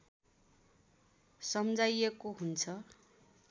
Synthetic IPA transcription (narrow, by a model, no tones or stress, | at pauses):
sʌmd͡zajekoɦunt͡sʰʌ